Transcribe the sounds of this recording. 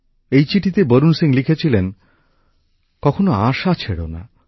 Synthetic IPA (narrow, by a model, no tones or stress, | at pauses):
ejt͡ɕiʈʰit̪ebəɾunsiŋlikʰet͡ɕʰilen | kɔkʰonoaʃat͡ɕʰeɽo̰na̰